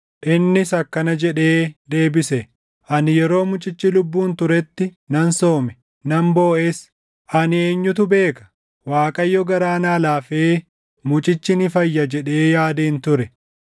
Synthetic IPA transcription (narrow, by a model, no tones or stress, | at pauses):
ʔɪnːɪsɐkːɐnɐd͡ʒɛᶑe̞ːd̪e̞ːbɪsɛ | ʔɐnɪjɛɾo̞ːmʊt͡ʃʼɪt͡ʃːɪlʊbːuːnt̪ʊɾɛt̪ːɪ | nɐnso̞ːmɛ | nɐmbo̞ːʔeːs | ʔɐnɪeːɲːʊt̪ʊbe̞ːkɐ̥ | waːkʼɐjːɔɡɐɾaːnaːlaːfeː | mʊt͡ʃʼɪt͡ʃːɪnɪfɐjːɐd͡ʒɛᶑe̞ːjaːd̪iːnt̪ʊɾɛ